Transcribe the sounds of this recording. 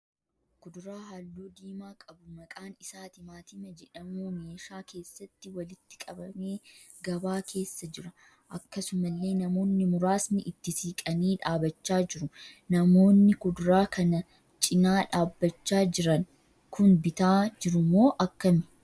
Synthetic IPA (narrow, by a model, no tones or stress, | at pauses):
kʊd̪ʊɾaːɦaːlːuːd̪iːmaːkʼɐbʊmɐkʼaːnɪsaːt̪ɪmaːt̪ɪmɐd͡ʒɛᶑɐmuːmeːʃaːke̞ːsːɐt̪ːɪwɐlɪt̪ːɪ̥kʼɐbɐme̞ː | ɡɐbaːkʰe̞ːsːɐd͡ʒɪɾɐ | ʔɐkːɐsʊmɐlːe̞ːnɐmo̞ːnːɪmʊɾaːsnɪʔɪt̪ːɪsiːkʼɐniːᶑaːbɐt͡ʃːaːd͡ʒɪɾʊnɐmo̞ːnːɪkʊd̪ʊɾaːkʰɐnɐ | t͡ʃʼɪnaːᶑaːbːɐt͡ʃːaːd͡ʒɪɾɐn | kʰʊnbɪt̪aːd͡ʒɪɾʊmo̞ːʔɐkːɐmɪ̥